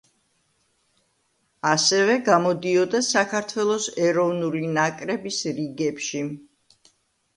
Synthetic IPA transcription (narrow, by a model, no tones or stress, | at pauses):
asɛvɛɡamɔd̪iɔd̪asakʰaɾt̪ʰwɛlˠɔsɛɾɔvnulinakʼɾɛbisɾiɡɛpʃi